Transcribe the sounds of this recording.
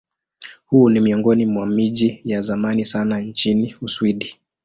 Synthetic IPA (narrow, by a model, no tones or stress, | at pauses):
hunimiɔŋɡɔnimwamiʄijazamanisanaɲt͡ʃiniuswiɗi